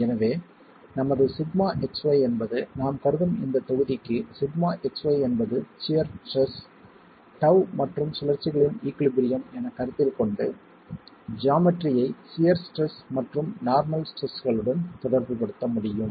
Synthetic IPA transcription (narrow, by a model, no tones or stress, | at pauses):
ɛnɐʋeː | nɐmɐðɯsɪdmaːʔɛksʋɐɪɛnbɐðɯnaːmkɐɾɯðɯmɪ̰nd̪ɐt̪ːɔɣɯðɪkːɯsɪdmaːʔɛksʋɐɪɛnbɐðɯsɪjɐɾʈrɛs | ʈɐʋmɐʈrɯmsʊlɐɾt͡ʃːɪɣɐɭɪniːkɭɪbɪɾɪjɐmɛnɐkɐɾɯt̪ːɪlkɔɳɖɯ | d͡ʒaːmɪʈrɪjɐɪsɪjɐɾsʈrɛsmɐʈrɯmnaːɾmɐlsʈrɛsɣɐɭɯɽɐnt̪ɔðɐɾʋɯpɐɽɯt̪ːɐmʊɽɪjɯm